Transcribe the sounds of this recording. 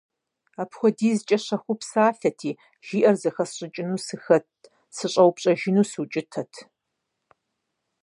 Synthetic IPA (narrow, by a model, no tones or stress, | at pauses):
aːpxʷɔdiːzɨt͡ʃʼɐɕɐxʷʊpsaːfɐtʰiː | ʒ̥iːʔɐrzɐxɐsɕʼɪt͡ʃʼɪnuːsɨxɐt̚ | sɨɕʼɐwpɕʼɐʒɪnuːsut͡ʃʼɪtʰɐtʰ